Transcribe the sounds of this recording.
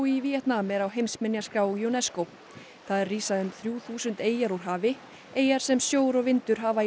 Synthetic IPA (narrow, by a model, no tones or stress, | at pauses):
iviːɛt̪namɛɾawɦejmsmɪnjaskaːwjonɛskow | θaðɛrːiːsaðʏmθɾjuːθuːsʏnt̪eːjaɾuɾ̥ɦaːvɪ | eːjaɾ̥sɛmsjoːwɾɔɣvɪnt̪ʏɾ̥ɦaːva